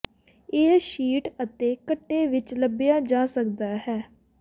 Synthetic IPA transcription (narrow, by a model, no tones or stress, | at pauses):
ɪːʃiːʈət̪eːkəʈːeːʋɪt͡ʃləbɪjaːd͡ʒãːsəkd̪aːɦɛː